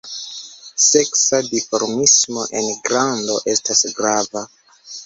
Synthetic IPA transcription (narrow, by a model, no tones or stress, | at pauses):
se̞ksadifoɾmismo̞ʔenɡɾando̞ʔe̞stʰasɡɾava